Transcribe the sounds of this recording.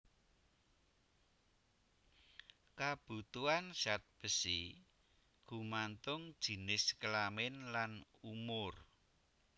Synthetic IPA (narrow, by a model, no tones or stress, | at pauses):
kab̥ṳt̪uansat̪̚b̥əsi | ɡ̥ṳmant̪ʊŋd̥ʒ̥i̤nɪskəlamɪnlanumʊr